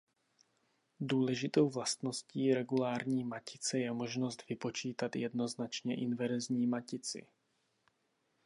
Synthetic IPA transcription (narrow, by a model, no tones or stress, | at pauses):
duːlɛʒɪt̪o̞wvlast̪no̞sciːɾɛɡulaːɾɲiːmacɪt͡sɛjɛmo̞ʒno̞st̪vɪpo̞t͡ʃiːt̪at̪jɛdno̞znat͡ʃɲɛʔɪnvɛɾzɲiːmacɪt͡sɪ̰